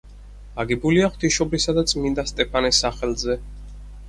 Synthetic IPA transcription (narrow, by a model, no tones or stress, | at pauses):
aɡɛbuliaχwt̪ʰiʃɔbɾisad̪at̪sʰʼmind̪ast̪ʼɛpʰanɛsːaχɛlˠzɛ